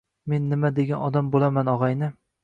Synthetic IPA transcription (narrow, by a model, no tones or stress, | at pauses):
me̞nːɪmad̪eɡʲanɒd̪ambolˠamanɒʁɑjnɪ